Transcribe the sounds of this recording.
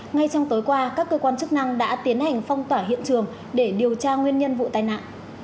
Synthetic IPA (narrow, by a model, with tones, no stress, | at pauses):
ŋa˧jt͡ɕɔ˧wŋ͡mt̪o˨˦jkwaː˧kaː˦˥kːəː˧kwaː˧nt͡ɕɨ˦˥k̚na˧ŋɗa̰ː˧˥t̪i˨˦ənha˨˩jŋ̟fɔ˧wŋ͡mt̪waː˧˩ɦḭ˧˨ənt͡ɕɨ˨˩əŋ | ɗe˧˩ɗi˨˩əwt͡ɕaː˧ŋwi˧ənɲə˧nvṵ˧˨t̪aː˨˩jna̰ː˧˨n